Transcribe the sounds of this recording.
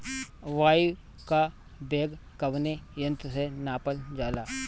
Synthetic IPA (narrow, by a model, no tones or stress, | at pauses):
ʋaːi | ka | beːɡkɐʋnejə̃nt̪senaːpəld͡ʒaːlaː